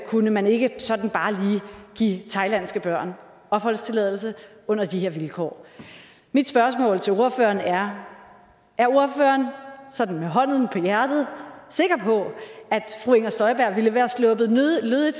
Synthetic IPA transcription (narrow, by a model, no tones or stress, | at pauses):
kʰunəmæne̝ɡ̥əsɒ̽d̥n̩b̥ɑ̈ːliːɡ̥ḭːt͡sʰɑ̈ɪlæn̰sɡ̥əb̥ɶɐ̰n | ɒ̽b̥hɒ̽l̰st͡sʰe̝lɛð̞̰ˠl̩s̬ə | ɔ̽n̰ɐd̥ihe̝ɐ̰ʋilkʰɒ̰ː | mid̥sb̥ɶɐsmɔ̰̽ːlt͡sʰe̝o̝ɐfø̰ɐnæɐ | ʔæɐo̝ɐfø̰ɐnsɒ̽d̥n̩meɦɒ̽n̰ð̩ˠn̩pʰɒ̽jæɐd̥ð̞̩ˠse̝ɡ̥ʁɐpʰɒ̽æd̥fʁuːeŋɐsd̥ɒ̽ɪb̥æɐ̰ʋiləʋæːɐslɔb̥ð̩ˠløðˠid̥